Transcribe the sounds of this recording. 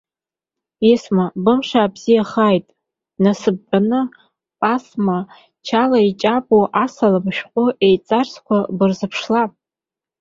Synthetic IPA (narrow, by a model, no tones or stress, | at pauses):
ismabɨmʂaːbz̥ijaχajtʼ | nasɨb̚ːanɨ | pʼasma | t͡ʃʰalait͡ʃʼapʼoʔasalamʃᶣqʷʼʊʔejt͡sʼarskʷʰabɨrzɨpʰʂlapʼ